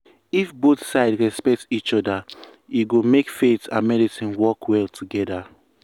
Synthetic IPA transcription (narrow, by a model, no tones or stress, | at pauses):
ifbotsaɪdɹɛspɛk̚tit͡ʃɔda | iɡomekfetã̰nmɛdisĩnwɔkʰwɛltʰuɡɛda